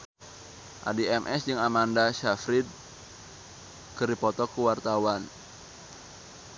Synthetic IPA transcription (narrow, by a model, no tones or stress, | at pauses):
ʔa̰diɛmʔɛsd͡ʒɨŋamandaʃafɾid̪̚ | kəɾipɔt̪ɔkuwart̪awan